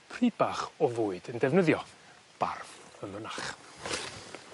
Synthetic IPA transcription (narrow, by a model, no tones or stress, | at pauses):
pʰriːd̚baːχɔvʊːɨdəndɛvnəðjɔ | b̥a̰rvəmənaχ